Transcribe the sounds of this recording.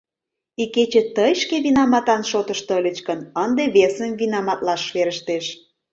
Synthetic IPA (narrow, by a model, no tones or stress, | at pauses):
iket͡ɕet̪əjʃkeβinɑmɑt̪ɑnʃot̪əʃt̪olʲət͡ɕkənənd̪eβesəmvinɑmɑt̪lɑʃβeɾəʃt̪eʃ